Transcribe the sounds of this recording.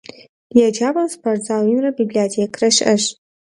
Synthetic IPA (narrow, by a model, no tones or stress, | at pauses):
jɛd͡ʒaːbɐmspʰɐrd͡zaːwinrɐbiblijatʰeːkʰrɐʃʔɐɕ